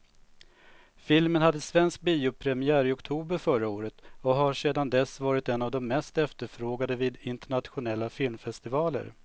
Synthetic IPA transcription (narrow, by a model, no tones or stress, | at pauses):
fɪlmənhad̪ːəsvɛnsk̚biːʊpʰɾɛmɪæːɾɪɔkt̪ʰuːbəɾfœɾaoːɾət̪ɔɦaʂeːd̪and̪ɛsːvɑːɾɪt̪ɛnːavd̪ɔmːɛst̪ɛft̪əɾfɾoːɡad̪əviːd̪ɪnt̪əɳat̪ɧʊnɛlːafɪlmfɛst̪ɪvɑːlə̰ɾ